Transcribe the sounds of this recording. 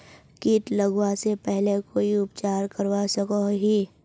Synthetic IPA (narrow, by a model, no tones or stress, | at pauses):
kiːʈ̪lɐɡwasepɛɦlekoːiʊpt͡ʃaːɾkɐɾwasɐkoɦiː